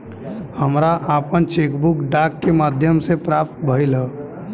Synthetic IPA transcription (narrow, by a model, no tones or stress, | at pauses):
həmɾaʔaːpənt͡ʃeːkbukɖaːkːemaːd̪ʱjəmsepɾaːp̚t̪̚bʱəilə